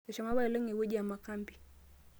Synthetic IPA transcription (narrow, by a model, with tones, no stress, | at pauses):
a˨ʃa˨ma˦βa˦ja˨lɛ˦ŋɛ˨wɛ˦d͡ʒi˦a˨ma˨ka˦mbi˨